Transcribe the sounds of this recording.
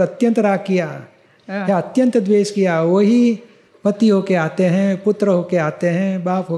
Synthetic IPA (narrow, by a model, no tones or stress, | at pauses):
ɐt̪jə̃nt̪ɾaːkijaː | jaɐt̪jɐ̃nt̪əd̪ʋeːʃkijaːʋoɦi | pɐt̪iɦoːkeaːt̪eɦɛ̃pʊt̪ɾəɦoːkeaːt̪eɦɛ̃baːpɦo